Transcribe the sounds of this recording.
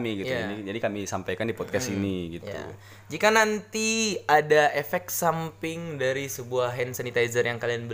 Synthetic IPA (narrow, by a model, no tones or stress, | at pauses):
miɡitj̪uaanid͡ʒadikamisampajkandipɔd̪̚kasiniɡitj̪ṵ | d͡ʒikanant̪iadaefɛk̪̚sampɪŋdaɾisəbuahɦɛnsanit̪ajzərjaŋkalianbə